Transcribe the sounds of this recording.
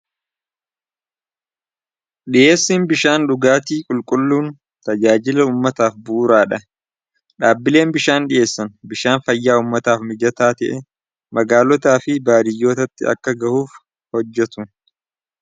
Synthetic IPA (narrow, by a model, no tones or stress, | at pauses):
ɗɪʔe̞ːsːiːnbɪʃaːnᶑʊɡaːt̪iːkʼʊlkʼʊlːuːn | t̪ɐd͡ʒaːd͡ʒɪlɐuːmːɐt̪aːfbuːɾaːᶑɐ | ᶑaːbːɪle̞ːnbɪʃaːnɗɪʔe̞ːsːɐnbɪʃaːnfɐjːaːuːmːɐt̪aːfmɪd͡ʒɐt̪aːt̪ɛʔɛ | mɐɡaːlɔt̪aːfɪbaːd̪ɪjːo̞ːt̪ɐt̪ːɪɐ̰kːɐɡɐhuːf | hɔd͡ʒːɛt̪ʊ